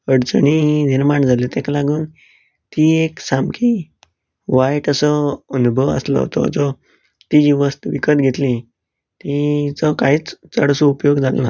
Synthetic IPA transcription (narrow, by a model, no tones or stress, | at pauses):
əɽt͡səɳiniɾmaɳd͡zʱalit̪ẽklaɡuːn | t̪ieksamkʰi | ʋajʈəsəənubʱəʋə̰slɔ̰ɦt̪ɔ̰d͡zɔ | t̪id͡ʑiʋəst̪ʋikət̪ɡʱet̪li | t̪it͡sɔkaɦiːt͡st͡səɽsoupjoɡd͡zʱal̰na